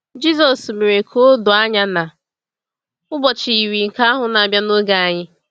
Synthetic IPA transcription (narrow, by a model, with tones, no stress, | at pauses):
d͡ʒi˦zɔ˨sme˨ɾe˨kʰo˦dʊ˨a˦ɲa˦na˨ | ʊ˦bɔ˨t͡ʃi˨i˨wi˨ŋ̩˨ka˦a˦ɦʊ˨na˨a˨bja˦no˦ɡa˨a˨ɲɪ˦